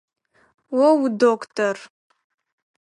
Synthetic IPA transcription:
wɔwdokʰtʰor

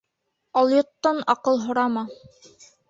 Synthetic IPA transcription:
ɑlˠjŏt̪ːɑnɑqɤlˠɦŏɾɑmɑ

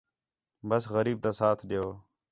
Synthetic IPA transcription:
bəsɣəɾiːb̚t̪ãːsaːt̪ʰɗejoː

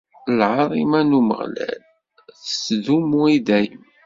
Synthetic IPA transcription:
lʕɑɾˤimænumə̰ʁlæ̰l | θəsðumuid̪æj

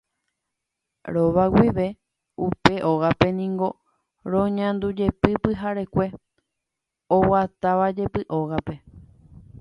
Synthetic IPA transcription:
ɾo̞ʋawiʋe̞ | upe̞ʔoɣape̞nĩŋɡo̞ | ɾõɲãnd̪ud͡ʒe̞pɨpɨɦaɾe̞kʷe̞ | owat̪aʋad͡ʒe̞pɨʔo̞ɣape̞

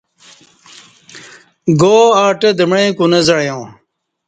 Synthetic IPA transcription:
ɡoːaːʈɐd̪ɐmɽẽːkunɐzɐɽjõː

